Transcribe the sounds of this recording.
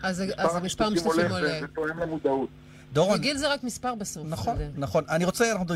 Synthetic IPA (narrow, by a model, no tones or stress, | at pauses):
azeazemispaʁmisfimolet̪oemlemud̪aut | d̪oʁoɡilzeʁakmispaʁbesofnaχonnaχo̞naniʁot͡seanaχnud̪ʁ